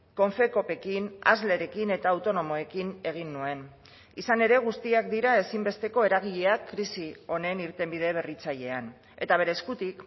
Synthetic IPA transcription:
ko̞ɱfe̞ko̞pe̞kina̰zle̞ɾe̞kine̞t̪aːwt̪o̞no̞mo̞e̞kine̞ɣ̞inːue̞n | isane̞ɾe̞ɣ̞ust̪iak̚d̪iɾae̞simbe̞st̪e̞ko̞e̞ɾaɣ̞iʎe̞akːɾisio̞ne̞niɾt̪e̞mbiðe̞β̞e̞rit͡saʎe̞an | e̞̰t̪aβ̞e̞ɾeːskut̪ik

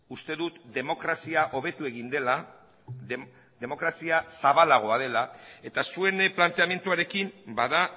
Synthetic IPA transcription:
ust̪e̞ðut̪d̪e̞mo̞kɾasiaʔo̞β̞e̞t̪ue̞ɣ̞ind̪e̞la | ðe̞mo̞kɾasiasaβalaɣ̞o̞að̞e̞lae̞t̪asue̞nplant̪e̞amje̞nt̪uaɾe̞kimbaða

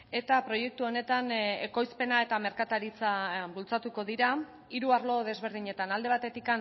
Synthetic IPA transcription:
e̞t̪apɾo̞je̞k̚t̪uo̞ne̞t̪ane̞̰ko̞jspe̞nae̞t̪ame̞ɾkat̪aɾit͡saβult͡sat̪uko̞ðiɾa | iɾuaɾlo̞ðe̞zβ̞e̞ɾðiɲe̞t̪anald̪e̞β̞at̪e̞t̪ikan

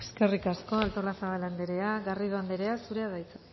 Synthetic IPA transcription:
eske̞rikasko̞alt̪o̞lasaβaland̪eɾe̞aɣarið̞oand̪eɾe̞asuɾe̞aðajt͡s

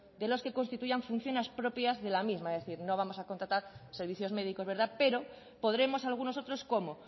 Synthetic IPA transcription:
d̪e̞lo̞ske̞ko̞nst̪it̪uʝaɱfunθjo̞nespɾo̞pjazðelamizmaðeθiɾno̞β̞amo̞sakont̪ɾat̪aɾseɾβ̞iθjo̞zme̞ð̞iko̞zβe̞ɾðape̞ɾo̞ | po̞ðɾe̞mo̞salɣ̞uno̞sot̪ɾosko̞mo

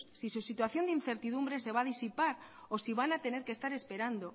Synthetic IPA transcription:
sisusit̪waθjo̞nd̪in̟θe̞ɾt̪iðumbɾe̞se̞β̞aðisipaɾ | osiβ̞anat̪e̞ne̞ɾkest̪aɾe̞spe̞ɾand̪o

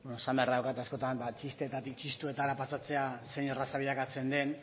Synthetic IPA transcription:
benosamerawkat̪asko̞t̪ambat͡ʃist̪e̞t̪at̪ik̚t͡ʃist̪ue̞t̪alapasat͡se̞ase̞nerasaβiðakat͡se̞nd̪e̞n

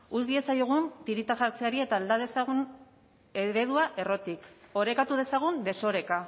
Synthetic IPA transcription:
uzðie̞sajoɣ̞unt̪iɾit̪aʝaɾt͡se̞aɾie̞t̪aːld̪aðe̞saɣun | eɾe̞ðuaʔe̞ro̞t̪iko̞ɾe̞kat̪uð̞e̞saɣ̞und̪e̞so̞ɾe̞ka

